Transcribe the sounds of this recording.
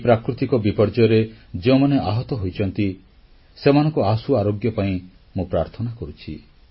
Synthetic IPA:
pɾakɾut̪ikɔbipɔɾd͡ʒɔɾed͡ʒeũmaneʔaɦɔt̪ɔɦojt͡ʃʰɔnt̪i | semanɔ̃ŋkɔasuaɾoɡjɔpaĩ | mũpɾaɾt̪ʰɔnakɔɾut͡ʃʰi

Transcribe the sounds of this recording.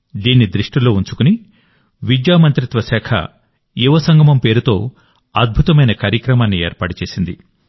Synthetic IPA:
d̪iːnːid̪ɾiʂʈilo̞ːuɲt͡ʃu̥kuni | ʋid͡ʒjaːmɐnt̪ɾit̪ʋɐsɛːkʰɐ̰ | juʋɐsɐŋɡʱɐmɐmpe̞ːɾut̪o̞ː | ɐd̪̚bʱut̪ɐmɐjnɐkaːɾjɐkɾɐmaːnːieːɾpaːʈut͡ʃe̞ːsind̪i

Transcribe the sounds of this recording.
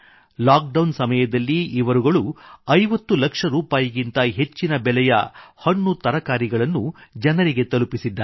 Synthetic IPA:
laːk̚ɖɐwnsɐmɐjɐd̪ɐlːiiʋɐɾuɡɐɭuɐjʋɐt̪ːulɐkʂɐɾuːpaːjɐɡint̪ɐɦe̞t͡ʃːinɐbɛlɛjɐ̰hɐɳːut̪ɐɾɐkaːɾiɡɐɭɐnːud͡ʒɐnɐɾiɡe̞t̪ɐlupisid̪ːa

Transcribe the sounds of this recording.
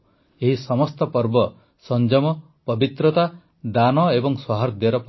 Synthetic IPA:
eɦisɔmɔst̪ɔpɔɾbɔ | sɔnd͡ʒɔmɔ | pɔbit̪ɾɔt̪a | d̪anɔebɔŋswɔɦaɾd̪jɔɾɔp

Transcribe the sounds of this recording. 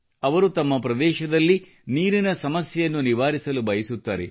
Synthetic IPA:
ɐʋɐɾut̪ɐmːɐpɾɐd̪ɛːʃɐd̪ɐlːi | niːɾinɐsɐmɐsjɐjɐnːuniʋaːɾisɐlubɐjɐsut̪ːa̰ːɾḛ

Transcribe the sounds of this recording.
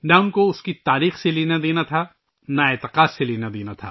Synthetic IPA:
naʊnkoʊskit̪aːɾiːxseleːnad̪eːnat̪ʰa | naeːt̪ɪqaːd̪seleːnad̪eːnat̪ʰa̰ː

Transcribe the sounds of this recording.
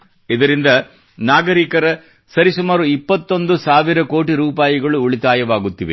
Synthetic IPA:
id̪ɐɾind̪ɐ | naːɡɐɾiːkɐɾɐ | sɐɾisumaːɾuipːɐt̪ːo̞nd̪usaːʋiɾɐko̞ːʈiɾuːpaːjiɡɐɭuːɭit̪aːjɐʋaːɡut̪ːiʋe

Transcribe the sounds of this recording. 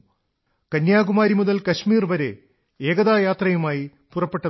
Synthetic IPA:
kɐnjaːɡumaːɾimuðɐlkɐɕmiːrʋɐɾe̞̰ | eːɡɐðaːjaːt̪rɐjumaːji | purɐpːe̞ʈːɐ

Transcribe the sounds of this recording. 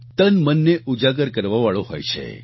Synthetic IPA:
t̪ənmənːeʔud͡ʒaɡəɾkəɾʋaʋaɭõɦo̰jt͡ʃʰḛ

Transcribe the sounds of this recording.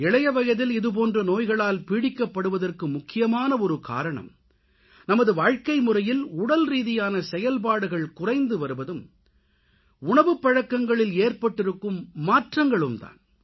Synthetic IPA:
ɛɭɐjɐʋɐjɐðɪlɪðɯp̬oːndrɐnoːjɣɐɭaːlpiːɽɪkːɐpːɐɽɯʋɐðɐrkɯmʊkːɪjɐmaːnɐɔɾɯka̰ːɾɐɳɐ̰m | nɐmɐðɯʋaːɻkɐɪmʊrɐjɪlʊɽɐlɾiːðɪjaːnɐsɛjɐlpaːɽɯɣɐɭkʊrɐɪnd̪ɯʋɐɾɯʋɐðɯm | ʊɳɐʋɯpːɐɻɐkːɐŋɡɐɭɪleːrpɐʈːɪɾɯkːɯmːaːʈrɐŋɡɐɭɯmt̪a̰ːn

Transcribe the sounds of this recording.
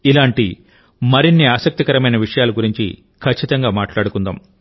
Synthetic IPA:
ilaːɳʈi | mɐɾinːiaːsɐk̚t̪ikɐɾɐmɐjnɐʋiʂɐjaːluɡuɾiɲt͡ʃḭ | kʰɐt͡ʃːit̪ɐŋɡaːmaːʈlaːɽukund̪a̰ːm

